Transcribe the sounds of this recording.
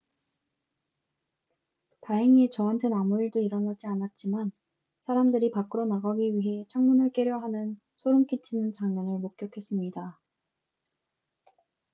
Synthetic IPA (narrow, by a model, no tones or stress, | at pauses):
taɦeŋit͡ɕʌɦantʰenamuiɭdoiɾʌnad͡ʑianat̚t͡ɕ͈iman | sʰaɾamdɯɾipak͈ɯɾonaɡaɡiɥiɦe̞t͡ɕʰaŋmunɯɭk͈e̞ɾjʌɦanɯn | sʰoɾumk͈it͡ɕʰinɯnt͡ɕaŋɲanɯɭmok̚k͈jʌkʰe̞s͈ɯmɲida